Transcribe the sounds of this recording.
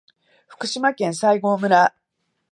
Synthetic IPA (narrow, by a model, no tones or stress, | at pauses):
ɸɯ̟̥kɯ̟ɕimakẽ̞ɰ̃saiɡo̞ːmɯ̟ɾa